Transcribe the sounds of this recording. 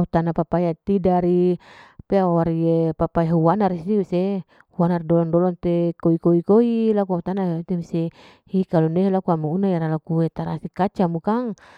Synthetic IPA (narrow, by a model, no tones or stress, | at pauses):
aut̪anapapajat̪idaɾipeawaɾiepapajauwanarisiuse | huanardɔlɔŋdɔlɔnt̪ekoikoikoilakuaut̪anat̪imuse | hikaluneɦelakuamuunajaɾalakuwet̪aɾasikat͡ʃamukaŋ